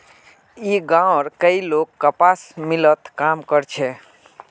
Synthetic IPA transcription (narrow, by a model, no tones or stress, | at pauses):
iɡãwɾkəilokːəpasmilət̪kamkəɾt͡ʃʰɛ